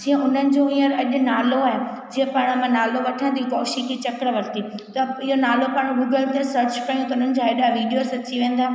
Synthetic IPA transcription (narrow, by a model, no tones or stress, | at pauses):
d͡ʑiːɦə̃ʔʊn̤ənɪ̆d͡ʑoĩːəɾɐʄʊ̆naːloaːɦe | d͡ʑĩːẽpaːɽ̃mãnaːloʋɐʈʰə̃nd̪ʱikɔːʃikʰet͡ɕɐkɽʋɐɾt̪it̪ɐɪɦonaːlopaːɽ̃ɡuːɡəlt̪ʰesɐɾt͡ɕpaːjũt̪ɐʊn̤ənɪ̆d͡ʑaːeːɗaʋiːɖijosɐt͡ɕiʋẽːn̆d̪aː